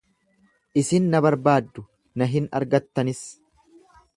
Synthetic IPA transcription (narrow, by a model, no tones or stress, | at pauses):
ʔɪsɪnːɐbɐɾbaːd̪ːʊ | nɐɦɪnɐ̰ɾɡɐt̪ːɐnɪs